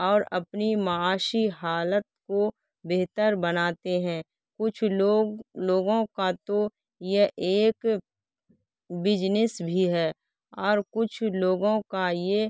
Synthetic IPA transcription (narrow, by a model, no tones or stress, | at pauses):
ɔːɾɐpnimaaːʃiɦaːlət̪̚ko | beːt̪əɾbənaːt̪eɦɛ̃ː | kʊt͡ʃʰoloːɡõkat̪o | jeʔeːk | bɪd͡ʒnɪsbʱiɦɛː | ɔːɾkʊt͡ʃʰloːɡõkaje